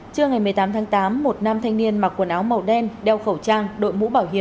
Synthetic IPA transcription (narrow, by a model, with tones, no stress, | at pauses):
t͡ɕɨ˧əŋa˨˩jmɨ˨˩əjt̪aː˨˦mt̪ʰaː˨˦ŋt̪aː˨˦mːo˨˩t̚naː˧mt̪ʰa˧jŋ̟ni˧ənmaː˨˩ku˧˩ənʔaː˨˦wmə˨˩wɗɛ˧nɗɛ˧˩wxə˧˩wt͡ɕaː˧ŋɗo̰˧˨jmṵ˧˥ɓaː˧˩wɦi˧˨əm